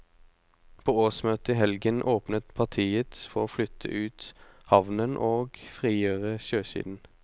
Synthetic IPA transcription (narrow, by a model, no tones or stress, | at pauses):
pʰoːoːsmøːt̪əiːɦɛlɡənʔoːpnət̪pʰɑʁt̪ʰiːət̪fɔʁoːflʏt̪ʰə̰ʔʉːt̪hɑʋnənʔoːɡfʁiːjøːʁəʃøːʃḭːd̪n̩